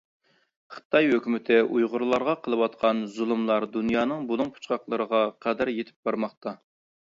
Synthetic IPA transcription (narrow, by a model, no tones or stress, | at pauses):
χə̥t̪ʰɑjhøkʲymɪt̪ʰɪʔujʁʊɾlˠɑɾʁɑqʰəlˠəwɑt̪qʰɑnzulˠumlˠɑɾd̪unjɑːnɨŋbulˠʊŋpʰu̥t͡ʃqʰɑqlˠəɾəʁɑqʰæd̪æɾjet̪ʰɪ̥p̚b̥ɑɾmɑχt̪ʰɑ